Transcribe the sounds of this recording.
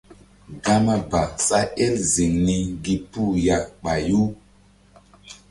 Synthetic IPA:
ɡa˦ma˦ba˨sa˦e˦lzi˨ŋni˦ɡi˦pu˦˨ja˨k̚ɓa˨ju˦

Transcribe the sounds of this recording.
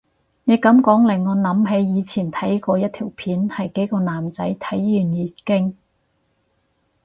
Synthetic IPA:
ne˨˧jkɐ˨˥mkɔː˨˥ŋlɪ˨˩ŋːɔː˨˧nɐ˨˥mɦe˨˥jjiː˨˧t͡sʰiː˨˩nt̪ʰɐ˨˥jkɔː˧jɐ˥t̚t̪ʰiː˨˩wpʰiː˨˥nhɐ˨jke˨˥jkɔː˧naː˨mt͡sɐ˨˥jt̪ʰɐ˨˥jːyː˨˩njiː˨˧kɪ˥ŋ

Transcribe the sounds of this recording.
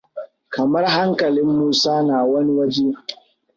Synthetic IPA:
kɐ˨mɐ˦rɦa˦ŋkɐ˨lɪ˦mːuː˦saː˦naː˨wɐ˦ni˦wɐ˦d͡ʒeː˦

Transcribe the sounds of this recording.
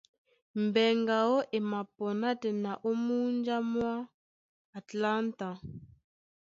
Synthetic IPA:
m˨bɛ˨ŋɡa˨ɔ˦ʔe˨ma˨pɔ˨na˦tɛ˨na˨ʔo˦mu˦nd͡ʒa˦mwaː˦˨ | tla˦nta˨

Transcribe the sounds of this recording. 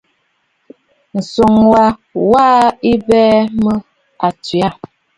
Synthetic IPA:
n̩˨so˨ŋwa˨waː˦i˦bɛː˦mə˦ | a˨ti˨a˦˨

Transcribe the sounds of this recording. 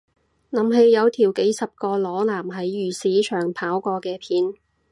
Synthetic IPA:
lɐ˨˥mɦe˧jːɐ˨˧wt̪ʰiː˨˩wke˨˥jsɐ˨p̚kɔː˧lɔː˨˥laː˨˩mɦɐ˨˥jːyː˨˩siː˨˥t͡ʃʰœː˨˩ŋpʰaː˨˥wkɔː˧kɛː˧pʰiː˨˧n

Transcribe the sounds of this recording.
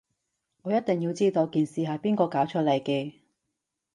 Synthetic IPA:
ŋɔː˨˧jɐ˥t̚t̪ɪ˨ŋjiː˧wt͡siː˥t̪o˧wkiː˨˩nsiː˨˩ɦɐ˨˩piː˥nkɔː˧kaː˨˥wt͡ʃʰɵ˥t̚lɐ˨˩jkɛː˧

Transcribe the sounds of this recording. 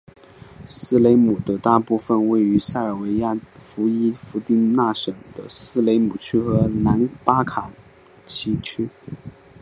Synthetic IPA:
sɹ̩˥˩le˧˥ɪmu˨˩d̪ə˧˥t̪a˥˧pu˥˩fə˧nwe˥˩ɪy˧˥sa˥˩ə˞˨˩we˧˥ɪja˥˩fu˧˥i˥fu˧˥t̪i˥nna˥˩ʂɤ˨˩ŋd̪ə̰˦sɹ̩˥˩le˧˥ɪmu˨˩t͡ɕʰy˥xɤ˧˥na˧˥npa˥kʰa˨˩ | t͡ɕʰi˧˥t͡ɕʰy˥

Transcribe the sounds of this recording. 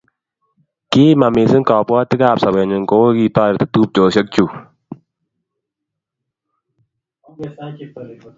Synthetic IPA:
ki˦ma˨mi˨sɪ˦nkɔ˨pɔ˦tɪ˦kaː˦˨p̚sa˨be˨ɲɪ˨ŋko˦wo˦ki˦tɔː˦ɪ˨tɪ˦tu˦p̚t͡ʃo˨ʃə˦k̚t͡ʃu˨

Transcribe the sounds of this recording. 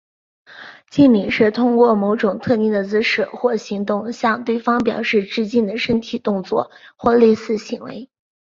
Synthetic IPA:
t͡ɕi˥˩nmi˨˩ŋʂɻ̩˥˩t̪ʰʊ˥ŋkwɔ˥˩mo˧˥ʊʈ͡ʂʊ˨˩ŋt̪ʰɤ˥˧t̪i˥˩ŋd̪ə˩t͡sɹ̩˧˥ʂɤ˨˩xwɔ˥˩ɕi˧˥ŋt̪ʊ˥˧ŋɕjɑ˥˧ŋt̪we˥˩ɪfɑ˥ŋpjɑ̰˨˩ʊʂɻ̩˥˧ʈ͡ʂɻ̩˥˧t͡ɕi˥˩nd̪ə˩ʂə˥nt̪ʰi˨˩t̪ʊ˥˧ŋt͡swɔ˥˩xwɔ˥˧le˥˧ɪsɹ̩˥˩ɕi˧˥ŋwḛ˧˥ɪ

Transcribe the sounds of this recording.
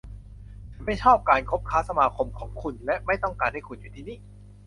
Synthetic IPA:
ma˥˩jt͡ɕʰɔː˥˩p̚kaː˧nkʰo˦˥p̚kʰaː˦˥sa˧maː˧kʰo˧mkʰɔː˩˦ŋkʰu˧nlɛ˦˥ʔma˥˩jt̪ɔ˥˩ŋkaː˧nha˥˩kʰu˧njuː˨˩t̪ʰiː˧˥˩niː˥˩

